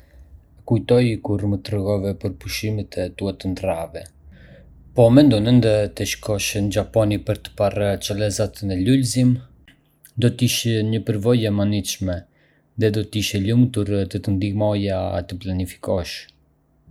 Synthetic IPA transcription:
kujt̪ɔjkuɾmət̪ɾəɣɔvɛpəɾpuʃimɛt̪ɛt̪uat̪ənd̪ɾavɛ | pɔmɛnd̪ɔnənd̪ət̪əʃkʰɔʃənd͡ʒapɔnipəɾt̪ə̥part͡ʃəlɛzat̪nɛlulzim | d̪ɔt̪əiʃɛɲəpəɾvɔjɛmaniʃmɛ | ðɛd̪ɔt̪əiʃɛlumt̪uɾt̪ət̪ənd̪imɔja̰t̪əplanifi̥kɔʃ

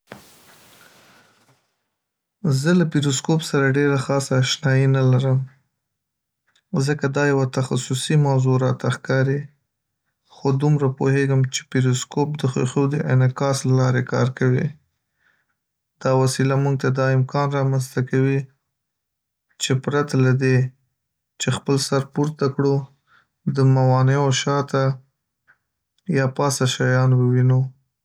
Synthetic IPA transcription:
zəlapiɾoskopsaɾaɖeɾaxɑsaːʃnɑjinalaɾəm | zəkad̪ɑjawat̪axasʊsimawzoɾɑt̪axkɑɾi | xod̪umɾapoheɡəmt͡ʃe̥piɾoskop̚d̪əxoxod̪əʔɪnɪkɑslalɑɾekɑ̰ɾkawḭ | d̪̥ɑwasilamuŋɡ̚t̪ad̪ɑɪmkɑnɾɑmanst̪akawi | t͡ʃepɾat̪alad̪e | t͡ʃexpəlsaɾpuɾt̪akɽo | d̪əmawɑneoʃɑt̪a | jɑpɑsaʃajɑnwəwino

